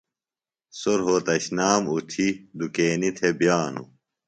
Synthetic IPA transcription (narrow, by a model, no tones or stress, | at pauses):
soɾɦot̪ɐɕnaːmut̪ʰid̪ukeːnit̪ʰebjaːnṵ